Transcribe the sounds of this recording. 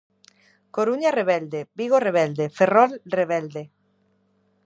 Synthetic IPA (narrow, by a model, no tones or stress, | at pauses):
koɾuɲareβɛld̪ebiɣoreβ̞ɛld̪eferɔlreβɛld̪e